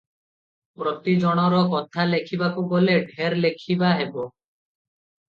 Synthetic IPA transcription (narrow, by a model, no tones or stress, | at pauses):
pɾot̪id͡ʒɔɽ̃ɔɾɔkɔt̪ʰalekʰibakuɡoleɖʱeɾlekʰibaɦebɔ